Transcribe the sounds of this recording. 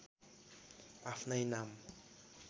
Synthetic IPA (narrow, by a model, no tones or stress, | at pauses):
afnajnam